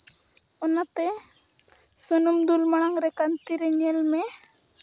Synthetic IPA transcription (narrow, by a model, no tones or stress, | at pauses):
ɔnat̪ɛ | sɔnumd̪ulmaɽ̃aŋɾɛkant̪iɾɛɲɛlmɛ